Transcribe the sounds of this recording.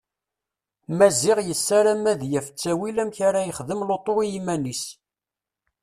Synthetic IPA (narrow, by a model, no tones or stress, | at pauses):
mæzɪʁjəsːaɾæmæðjæfə̥t͡sːæwilæmçaɾajəχðəmlot̪ˤoijimænis